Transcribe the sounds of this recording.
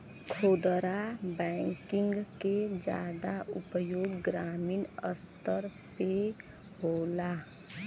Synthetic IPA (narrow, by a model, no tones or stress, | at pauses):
kʰod̪ɾabɛŋkiŋɡked͡ʒa̰d̪aʔṵpəjoɡɡɾaminə̰st̪əɾ | pe | ɦola